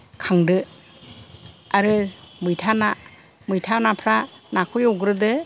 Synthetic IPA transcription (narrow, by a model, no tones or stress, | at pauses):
kʰaŋdɯ | aɾɯmɯjtʰana | mɯjtʰanapʰɾanakʰujɔwɡɾɯdɯ